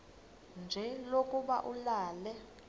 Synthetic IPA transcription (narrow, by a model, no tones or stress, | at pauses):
nd͡ʒʱɛlokʼuɓa̰ʔulaːlɛ